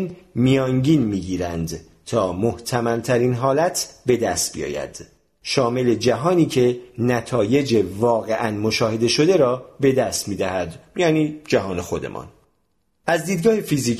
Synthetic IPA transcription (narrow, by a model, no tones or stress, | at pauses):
nmijɒːŋɟiːnmiːɟiːɾænd̪ | t̪ʰɒːmoht̪ʰæmæmt̪ʰæɾiːnɦɒːlæt̪ʰbe̞d̪æst̪̚bḭjɒ̰ːjæ̰d̪̥ | ʃɒːme̞le̞d͡ʒæɦɒːniːcʰe̞næt̪ʰɒːje̞d͡ʒevɒːɣe̞ʔænmoʃɒːhe̞d̪e̞ʃo̞d̪e̞ɾɒːbe̞d̪æst̪miːd̪æhæd̪jɒːniːd͡ʒæɦɒːne̞xo̞d̪e̞̰mʔɒ̰ːn | ʔæzd̪iːd̪ɡɒːhefiziː